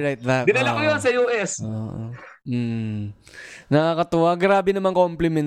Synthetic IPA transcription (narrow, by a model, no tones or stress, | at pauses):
ɹajt̪̚ðɐbɪnɐɐkojonsɐjuːʔɛsoːʔo̰ | nɐŋakɐt̪ʊwaɡɾaːbɛnɐmaŋkɐoʊmplɪmɛn